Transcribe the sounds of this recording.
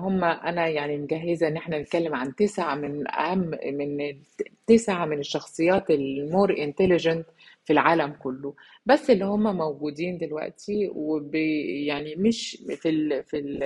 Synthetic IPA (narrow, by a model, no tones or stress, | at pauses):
hʊmːæʔænæjaʕnimɡaɦːɪzaʔenːʔeħnænet̪̚kælːɪmʕant̪esʕamɪnæ̰hamːmɪn | t̪ːæsʕamɪnɪʃːɑxsˤɨjːɑːt̪ɪlmoːɾʔɪnt̪ælɪʒænt | filʕaːlæmkʊlːo | bæsːɪlːihʊmːæmæwɡuːd̪iːnd̪ɪlwæ̰ʔt̪iwebejaʕnimɪʃfilfil